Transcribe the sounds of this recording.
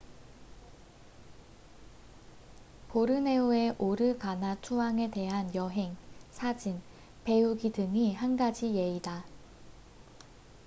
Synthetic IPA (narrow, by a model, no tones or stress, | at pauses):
poɾɯne̞ue̞ʔoɾɯkanat͡ɕʰuaŋe̞te̞ɦanjʌɦe̞ŋsʰad͡ʑin | pe̞uɡidɯŋihanɡad͡ʑije̞ida